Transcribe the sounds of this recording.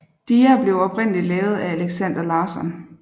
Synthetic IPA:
d̥iːæb̥le̝ʊɒ̽b̥ʰʁen̰lilɛːʊð̞̩ˠææleɡ̥sæn̰d̥ɐlɑ̈ːsɒ̽n

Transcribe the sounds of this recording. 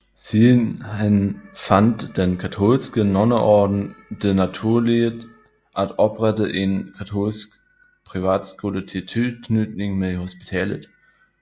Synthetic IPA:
sinɛnfantd̥enkʰatʰoːlskənɔnəʔɔɐdn̩d̥enatʰuːɐleːd | ʔatʔɔpʁɛtəʔenkʰatʰoːlsk | pʁ̥ivaːtskulətʰitʰykʰnytnɪŋmehospi̥tʰɛːlə̰t

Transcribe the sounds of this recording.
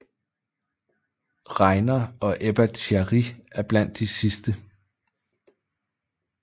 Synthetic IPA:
ʁɑ̈ɪnɐɒ̽ʔeb̥æt͡sʰæʁiæɐb̥læn̰d̥ːisisd̥ə

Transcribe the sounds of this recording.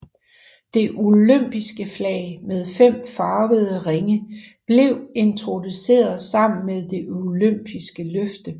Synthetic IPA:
d̥e̝ʔuløm̰b̥isɡ̥əflɛ̰ːɪmeð̞ˠfem̰fɑ̈ːʋəðˠəʁeŋəb̥le̝ʊe̝nt͡sʰʁo̝duse̝̰ːɐðˠsɑ̈m̰n̩meðˠd̥e̝ʔuløm̰b̥isɡ̥əløfd̥ə

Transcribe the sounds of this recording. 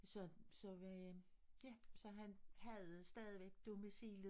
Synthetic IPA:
sɒ̽sɒ̽ | jæsɒ̽ɦænhæðˠsd̥ɛːð̞ˠiʋeɡ̥̚d̥o̝misḭːlð

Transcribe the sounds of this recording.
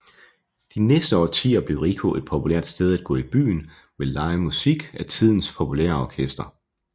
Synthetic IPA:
d̥inesd̥əɒ̰ːt͡sʰḭːɒb̥le̝ʊʁikʰo̝ʔe̝d̥̚pʰopʰuleɐ̰d̥sd̥eð̞ˠæd̥ɡ̥ɔ̰̽ːib̥y̰ːn | ʋe̝lɑ̈ɪəmusiɡ̥æt͡sʰið̞̰ˠn̩spʰopʰulḛɐɒkʰesd̥ɐ

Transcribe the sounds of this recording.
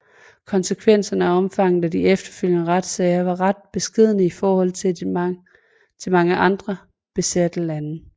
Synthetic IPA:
kʰɒ̽nsəkʰʋen̰sɐnəæɒ̽mfɑ̈ŋ̰ð̩ˠæd̥iefd̥ɐ̥føl̰jənəʁɑd̥sɛɪɐʋɑ̈ʁɑd̥̚b̥e̝sɡ̥e̝ð̞̰ˠnəifɒːhɒ̽l̰t͡sʰe | t͡sʰe̝lmɑ̈ŋəʔɑ̈nd̥ʁɐ | b̥e̝sæd̥əlænə

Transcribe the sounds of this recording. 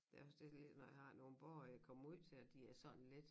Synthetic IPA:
d̥eɒsd̥ele̝d̥nɒjähɑ̈no̝ːn̩b̥ɒːjäkʰɒ̽m̰uð̰ˠt͡sʰe̝lɒd̥iæɐsɒ̽nn̩le̝d̥

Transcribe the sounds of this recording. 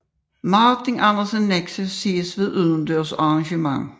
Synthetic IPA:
mɑːt͡sʰiŋʔænɐsənːeɡ̥səsiːəsʋe̝ðˠʔyðˠənd̥øɐ̰sɑʁɑ̈ŋɕəmɑŋ

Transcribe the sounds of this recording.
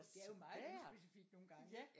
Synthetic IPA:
d̥eæɐjo̝mɑ̈ːð̩ˠsb̥e̝sifiɡ̥no̝ːn̩ɡ̥ɑ̈ŋ̰

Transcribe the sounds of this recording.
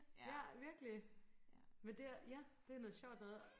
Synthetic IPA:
jæʋiɐɡ̥əli | mend̥e̝æjæd̥e̝ænɔ̽ðˠɕɒʊ̰d̥æðˠ

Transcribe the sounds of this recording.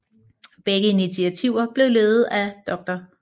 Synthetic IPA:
b̥eɡ̥əinit͡sʰiæt͡sʰiʊ̰ɐb̥le̝ʊleːð̩ˠæd̥ɒ̽ɡ̥̚d̥ɐ

